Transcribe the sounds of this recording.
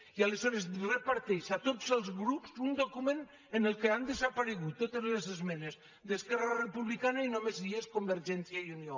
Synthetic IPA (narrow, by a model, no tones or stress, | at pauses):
ialəzɔɾezrəpaɾt̪ɛʃat̪ozəlˠzɣɾupsund̪okumen | ənəlˠkeand̪əzapaɾeɣut̪ːot̪ezlezezmɛnez | d̪əskɛrarəpuβlikanainomezieskombəɾʒɛnsjajunio